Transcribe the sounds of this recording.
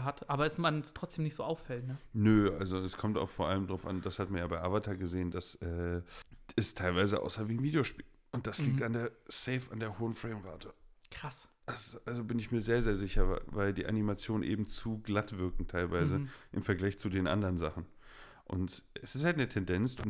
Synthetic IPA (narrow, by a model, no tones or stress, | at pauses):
ɦatʔaːbɐɛsmanstʁ̥ɔt͡sd̥eːmnɪçtz̥oːʔaʊfɛltnənəʔalzoɛskʰɔmta̰ʊxfoːɐʔaləmdʁaʊfʔa̰nd̥ashatmanjaːbaɪʔavatʰaɡəzeːəndasʔɛː | ɪstʰːaɪlvaɪzəʔa̰ʊsaviːɪnviːdijoʃpiːl | ʔʊnt̚d̥asliːktandeːɐsɛɪfa̰ndeːɐhoːənfʁ̥eɪmʁaːtʰəkʁ̥as | ʔasʔalzobɪnɪçmiːɐzeːɐzeːɐzɪçɐvavaɪldiːʔa̰nimat͡sjoːnənʔḛːbm̩t͡suːɡlatv̥ɪɐkŋ̩tʰaɪlvaɪzəʔɪmfɛɐɡlaɪçt͡sudeːnʔa̰ndəʁənzaχn̩ | ʔʊ̰ntʔɛsɪ̥sthaltnətʰɛndɛnt͡sʊ